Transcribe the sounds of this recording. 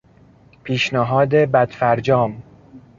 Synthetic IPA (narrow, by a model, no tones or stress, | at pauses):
pʰiːʃnæɦɒːd̪e̞bæd̪̥fæɾd͡ʒɒːm